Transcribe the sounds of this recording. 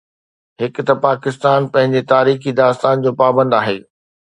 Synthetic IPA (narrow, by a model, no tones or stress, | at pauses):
ɦɪk̆t̪ɐpaːkɪst̪aːnpɐ̃ɦɪ̃ɲd͡ʑet̪aːɾiːxid̪aːst̪aːnd͡ʑoːpaːbə̃nd̪aːɦeː